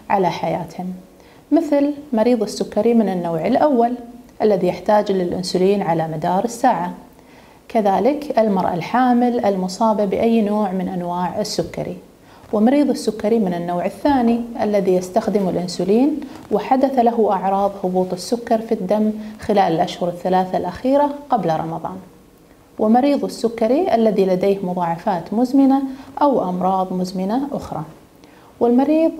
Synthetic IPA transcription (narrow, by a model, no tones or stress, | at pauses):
ʕalaħajaːt̪hɪmː | ɪθlmɑɾiːðˤɪsːʊkːɑɾimɪnɪnːoːʕɪlʔawːalʔalːaðijaħt̪aːd͡ʒlɪlʔʊnsʊliːnʕalamad̪ɑːɾˤɪsːaːʕa | kaðaːlɪkʔɪlmɑɾˤʔa̰lħaːmɪlɪlmʊsˤɑːbabɪʔajːnoːʕmɪnʔanwaːʕɪsːʊkːa̰ɾḭ | wɪmɑɾiːðˤɪsːʊkːɑɾimɪnɪnːoːʕɪθːaːniʔalːaðijast̪axd̪ɪmʊlʔʊnsʊliːnwɪħad̪aθalaɦʊʔɑʕɾˤɑːðˤhʊbuːt̪ˤɪsːʊkːɑɾˤfid̪ːamːxɪlaːlɪlʔaʃhʊɾɪθːalaːθalʔaxiːɾaqablɾˤɑ̰mɑðˤɑ̰ːn | wʔɪlmɑɾiːðˤɪsːʊkːɑɾiʔalːaðilad̪eːhmʊðˤɑːʕɑfaːt̪mʊzmɪnaʔawʔɑmɾˤɑːðˤmʊzmɪnaʔʊxɾˤɑ̰ | wɪlmɑɾiːðˤ